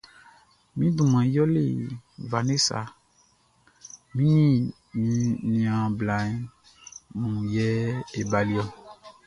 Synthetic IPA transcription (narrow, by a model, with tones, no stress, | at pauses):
mĩ˦dũ˨mã˨jɔ˦lḛ˨va˨ne˦sa̰˨ | mĩ˦nĩ˦ | mĩ˦nĩ˨ã˨bla˨˦ | mũ˨jɛ˦e˨ba˨li˦ɔ˦